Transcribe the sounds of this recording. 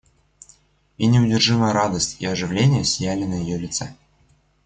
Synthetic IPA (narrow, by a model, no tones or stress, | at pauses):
inʲɪʊdʲɪrʐɨməjəɾad̪əsʲtʲiɐʐɨvlʲenʲɪjəsʲjælʲɪnəjɪjolʲɪt̪sɛ